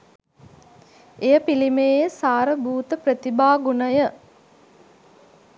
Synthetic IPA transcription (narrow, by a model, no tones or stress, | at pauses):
ejəpilimeːsaːɾəbuːt̪əpɾət̪ibaːɡunəjə